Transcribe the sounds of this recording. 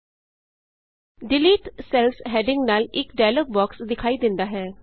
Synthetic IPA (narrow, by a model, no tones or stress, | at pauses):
ɖɪliːʈsɛːlsɦɛːɖɪ̃ŋɡnaːlɪkɖaːləːk̚bɔːksd̪ɪkʰaːid̪ɪ̃nd̪aːɦɛː